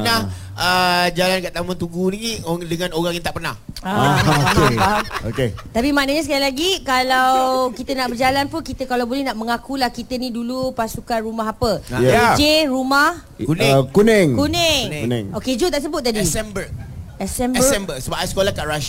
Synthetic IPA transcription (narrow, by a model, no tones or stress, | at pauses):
nah | əd͡ʒalankaʔt̪amãt̪uɡuniŋiʔdəŋãnoɣãŋjaŋt̪aʔpənahaaepaɦamo̰ket̪apimanəɲasəkajilaɡikalawkit̪ənaʔbərd͡ʒalanpunkit̪əkalawbolɛhnaʔmə̃ŋakulahkit̪ənidulupasukanɾumaɦapəad͡ʒeɾumah | kunɛ̃kunɛŋkunɛŋɛŋoked͡ʒut̪aʔs̬əbʊt̪̚t̪adisɛmbəɛsɛmɛbəsɛmbəsəbapajskolakaʔɾaʃ